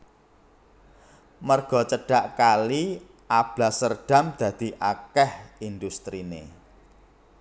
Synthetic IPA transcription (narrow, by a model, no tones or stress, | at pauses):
mərɡ̥ɔ̤t͡ʃəɖ̥a̤ʔkali | ʔab̥lasərɖ̥a̤md̪̥ä̤d̪̥i̤ʔakɛhind̪ust̪ɾinḛ